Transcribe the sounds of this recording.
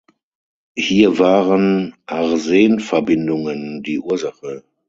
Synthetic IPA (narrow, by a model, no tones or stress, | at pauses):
hiːɐvaːʁənʔaʁzeːənfɛɐbɪndʊŋəndiːʔuːɐzaχə